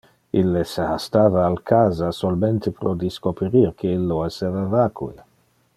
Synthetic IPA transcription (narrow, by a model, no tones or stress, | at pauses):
ilːesehast̪aːvaːlkʰaːzasolment̪epɾod̪iskopeɾiɾkʰeilːoesevavaːkʰue